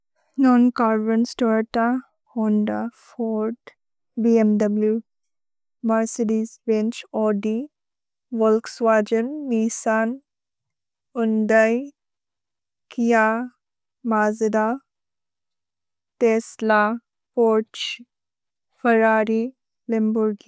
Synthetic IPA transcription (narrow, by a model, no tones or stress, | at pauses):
nɔːnkaːɾbənsʈɔːɾʈa | hoɳɖafʰoːɾʈ | biemdɐblju | mɐɾseɖizɾẽnt͡ʃɔːɖi | ʋolksʋaːd͡ʒənːisaːn | ʊnd̪aj | kija | maːzd̪a | t̪eːsla | poːt͡ʃ | fɐɾaːɾi | limbuɾɡi